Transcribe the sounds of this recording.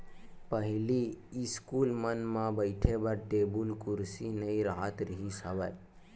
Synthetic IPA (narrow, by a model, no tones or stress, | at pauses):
pəɦiliiskulmənmãbəjʈʰebəɾʈebulkuɾsinəĩɾəɦat̪ɾəɦisəʋəj